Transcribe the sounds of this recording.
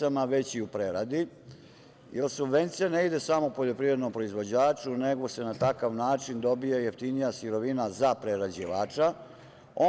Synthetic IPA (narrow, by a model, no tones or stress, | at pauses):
amaʋe̞t͡ɕiupɾeɾad̪i | jelsubʋe̞nt̪sijane̞id̪e̞samo̞upo̞ʎo̞pɾivɾed̪nompɾo̞izʋo̞d͡ʑaːt͡ʂune̞ɡo̞se̞nat̪akaʋnaːt͡ʃind̪o̞bijejeft̪inijasiɾo̞ʋinazapɾeɾad͡ʑiʋaːt͡ʂa | o